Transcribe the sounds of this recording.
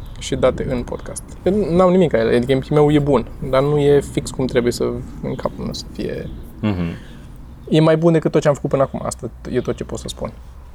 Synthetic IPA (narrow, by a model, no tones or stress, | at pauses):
ʃid̪at̪e̞ʔɨnpo̞d̪̥kʰast̪enamnimikajelḛad̪ikəmpime̞wje̞bund̪anuje̞fikskumt̪ɾe̞buje̞səɨ̰ŋkʰapunəsə̥fḭje̞̰ | je̞majbund̪e̞kɨt̪ːot̪t͡ʃeamfə̥kut̪pɨnakuma̰st̪ajet̪ot̪̚t͡ʃe̞po̞t̪səspṵn